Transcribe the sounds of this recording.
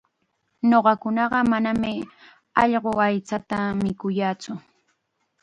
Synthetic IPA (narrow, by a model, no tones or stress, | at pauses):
ɲoɢɑkʊnɑɢɑmanamɪ | ɑʎɢoajt͡sat̪amɪkʊjaːt͡sʊ